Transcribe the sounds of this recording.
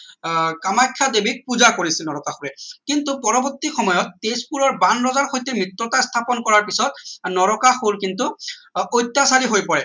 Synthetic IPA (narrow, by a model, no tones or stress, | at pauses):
kamajkʰːadebik̚puzakoɹisinɔɹɔkaxuɹɛkintupɔɹɔbɔtːixɔmɔjɔtːespulɔɹbanɹɔzaɹxojtɛmɹitɹɔtastʰapɔnkɔɹaɹpisɔt̚nɔɹɔkaxulkintuojtːasaɹiɦojpɔɹɛ